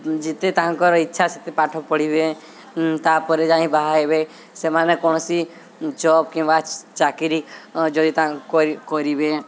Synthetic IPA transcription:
d͡ʒit̪et̪aɦãŋkɔɾɔitːʃʰaset̪epaʈʰɔpɔɽibe | t̪apɔɾed͡ʒãɦĩbaɦaebe | semanekɔñɔsi | d͡ʒɔbkĩw̃bat͡ʃakiɾid͡ʒɔd̪it̪aɦãŋkkkɔɾibe

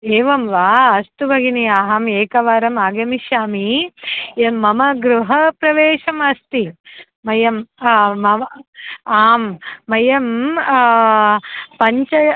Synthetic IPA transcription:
eːʋɐmʋaːɐst̪ubʱɐɡiniaːɦɐmeːkɐʋaːɾɐmaːɡɐmiʃjaːmi | emɐmɐɡɾuɦɐpɾɐʋeːʃɐmɐst̪i | mɐjɐmːɐ | aːmːɐjɐm | pɐɲt͡ʃɐ

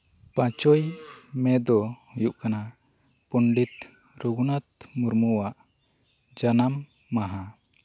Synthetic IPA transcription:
pãt͡ʃɔjmɛd̪ɔjuʔkana | puɳɖit̪ | ɾuɡunat̪̚muɾmuwaʔ | d͡ʒanamː | aɦã

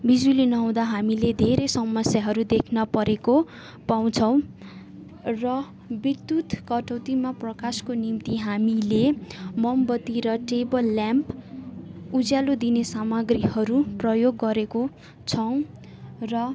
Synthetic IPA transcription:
bid͡zwilinʌɦaw̃d̪aɦamiled̪ʱeɾesʌmʌsjaɦʌɾud̪ekʰnʌpʌɾeko | paw̃t͡sʰʌw̃ | rʌ | bit̪ːut̪kʌʈʌwt̪imaprʌkaskonimt̪iɦamilemʌmbʌt̪iɾʌʈebʌlːjamp | ud͡zjalod̪inesamʌɡrihʌɾuprʌjoɡːʌɾeko | t͡sʰʌw̃ | rʌ

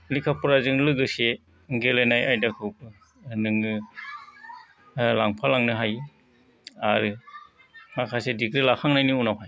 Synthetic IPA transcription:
likʰapuɾazɯŋlɯɡɯse | ɡelenajajdakʰup̚ | nɯŋɯ | laŋpʰalaŋnɯɦaj | aɾɯ | makʰasedikɾilakʰaŋnajniunawpʰaj

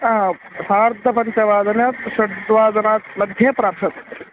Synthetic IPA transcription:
saːɾd̪ʱɐpɐɲt͡ʃɐʋaːd̪ɐnjɐt̪ʃɐɽd̪ʋaːzɐnaːt̪mɐd̪ʱjɐpɾaːpʃɐt̪

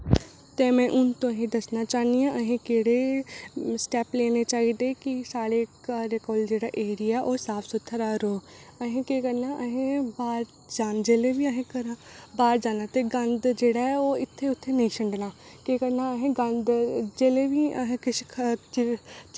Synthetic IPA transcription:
t̪eːmɛ̃ːʔʊnt̪õːɦĩːd̪əsnaːt͡ʃaːnijãːʔəɦẽːkeːɽeː | sʈɛːpleːneːt͡ʃaːid̪ekɪsaːɽeːɾeːkɔːld͡ʒeːɽaːʔeːɾiaɛːʔoːsaːpʰsʊt̪ʰːəɾaːɾoːəɦẽːkeːkəɾnaːʔəɦẽːbaːɾ | d͡ʒaːnd͡ʒeːleːʋiəɦẽːkəɾabaːɾd͡ʒaːnaːt̪eːɡənd̪d͡ʒeːɽaːɛoːɪt̪ʰːeʊt̪ʰːeːnəĩːʃəɳɖnaːkeːkəɾnaːəɦẽːɡə̃nd̪d͡ʒeːleːʋiːəɦẽkɪʃkʰt͡ʃ

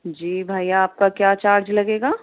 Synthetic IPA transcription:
d͡ʒiːbʱaːjaːp̚kakjat͡ʃaːɾd͡ʒlɐɡeːɡaː

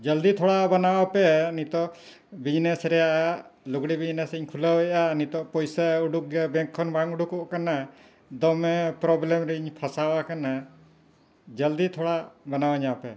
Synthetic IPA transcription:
d͡ʒəld̪it̪ʰɔɽabanawapɛnit̪ɔʔ | bid͡ʒnesɾɛjaʔaluɡɽibid͡ʒnesiɲkʰuləwɛjanit̪ɔʔpɔjsauɖuk̚ɡɛbɛ̃ŋkʰːɔnbaŋuɖukɔʔkana | d̪ɔmɛpɾɔblɛmɾɛiɲpʰasawakana | d͡ʒəld̪it̪ʰɔɽabanawaɲapɛ

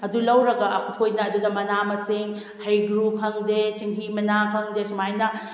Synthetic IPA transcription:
ɐdulɐwɾɐɡɐɐkʰukʰojnɐɐdudɐmɐnamɐsiŋ | hɐjɡɾupkʰɐŋdetiŋɦimɐnakʰɐŋdesumajnɐ

